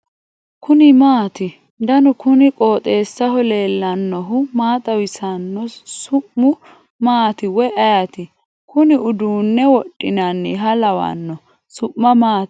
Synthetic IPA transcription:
kʊnɪmaːt̪ɪ | d̪ɐnʊkʊnɪkʼoːt̪ʼe̞ːsːɐhɔle̞ːlːɐnːɔɦʊmaːt̪ʼɐwɪsɐnːɔsʊʔːʊ | maːt̪ɪwɔʔɐjɐt̪ɪ | kʊnɪʊd̪uːnːɛwɔɗʼːɪnɐnːɪɦɐlɐwɐ̰nːɔ | sʊʔːɐmaːt̪

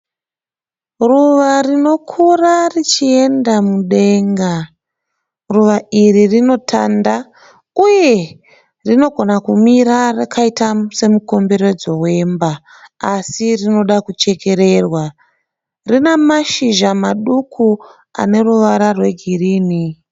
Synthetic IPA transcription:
ruʋarino̞kʰurarit͡ʃie̞ndamuɗe̞ːŋɡa | ruʋairirino̞tʰanda | uje̞ | rino̞ɡʱo̞nakumiɾarakaitase̞muko̞mbe̞ɾe̞d͡zo̞we̞mbaː | sirino̞ɗakut͡ʃe̞ke̞ɾe̞rwa | rinemaʃiʒamaɗukʰu | a̰ne̞ɾuʋaɾarwe̞ɡʱiriːni

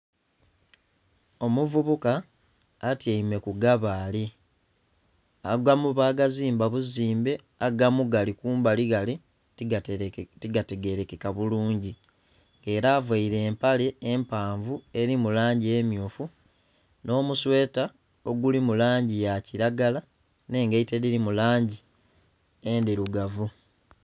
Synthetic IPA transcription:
o̞muvuβukaː | tjaime̞kuɡaβaːli | aɡwamuβaːɡaziːmbaβuziːmbe̞ | aɡamuɡalikuːmbaliɡali | tiɡate̞ɡe̞ɾe̞ke̞kaβuluːɲɟi | ŋɡe̞ːɾaːvwaiɾe̞ːmpale̞ːmpaːɱvue̞ɾimulaːɲɟiemjuːfu | no̞ːmuswe̞ːta | o̞ɡulimulaːɲɟijaciɾaɡala | ne̞ːŋɡeiteɾiɾimulaːɲɟi | endiɾuɡavu

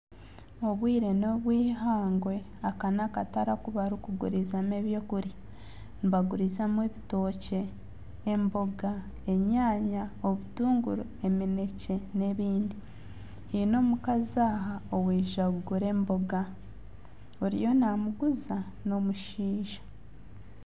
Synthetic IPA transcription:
o̞βwiːɾe̞no̞βwiːɦaːŋɡwe̞ | akanakataɾakuβaɾukuɡṵɾizameβjo̞ːkuɾi | niβaɡuɾizamweβito̞ːce̞ː | mbo̞ɡa | e̞ɲaːɲao̞βutuːŋɡuɾue̞mine̞ce̞ne̞βiːndi | hino̞ːmukazaɦaowiːʒaɡuɡuɾe̞ːmbo̞ɡa | oɾḭjo̞namuɡuza | no̞muʃiːʒḁ

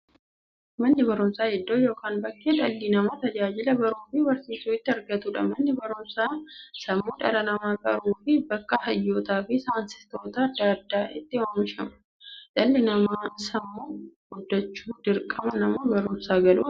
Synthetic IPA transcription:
mɐnːɪbɐɾʊmsaːhɛd̪ːoːjo̞ːkaːnbɐkːeːᶑɐlːɪnɐmat̪ɐd͡ʒaːd͡ʒɪlɐbɐɾuːfɪbɐɾsiːsuːɪt̪ːɪɐɾɡɐt̪uːᶑɐ̰mɐnːɪbɐɾʊmsaːsɐmːuːᶑɐ̰lɐnɐmaːkʼɐɾuːfɪbɐkːɐhɐjːoːt̪aːfɪsaːnsɪ̥st̪o̞ːt̪ɐɐd̪ːaːd̪ːaːʔɪt̪ːɪwaːmɪʃɐmɐ̥ | ᶑɐlːɪnɐmaaːsɐmːuːɡʊd̪ːɐt͡ʃːuːd̪ɪɾkʼɐmɐnɐmobɐɾʊmsaːɡɐlṵː

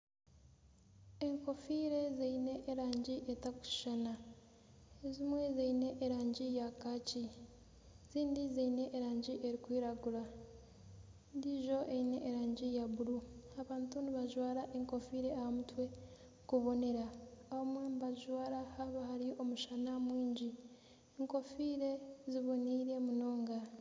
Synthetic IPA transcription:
eŋko̞fiɾe̞zeine̞ʔːɾaːɲɟiʔetaku̥ʃana | ezimwe̞zeine̞ʔːɾaːɲɟijakaːci | ziːndizeine̞ʔːɾaːɲɟiʔeɾikwiːɾaɡuɾa | ndiʒo̞ʔeine̞ʔːɾaːɲɟijaβuɾuaβaːntuniβaʒwaːɾaʔeŋko̞fiːɾe̞ahamutwe̞ | kuβo̞ne̞ɾaːβomweːmβaʒwaːɾahaβahaɾio̞muʃanamwiːɲɟi | eŋko̞fiːɾe̞ziβoniːɾe̞muno̞ːŋɡa

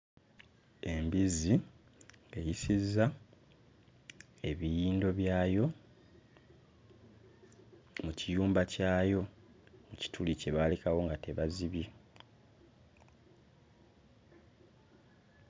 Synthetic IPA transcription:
e̞mbizi | e̞jisizːa | e̞βijiːndo̞βjaːjo̞ | mucijuːmbacaːjo̞ | muci̥tʰulice̞βaːlekawo̞ŋɡate̞βaziβji

